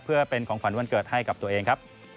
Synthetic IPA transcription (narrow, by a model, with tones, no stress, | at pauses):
pʰɯ˥˩ɐpe˧nkʰɔː˩˦ŋfʰa˩˦nwu˥˧ənkɤː˨˩t̪̚ha˥˩jka˨˩p̚t̪u˧ɐʔeː˧ŋkʰa˦˥p̚